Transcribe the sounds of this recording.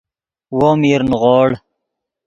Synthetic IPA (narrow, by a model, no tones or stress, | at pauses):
womiɾnʁoːɽ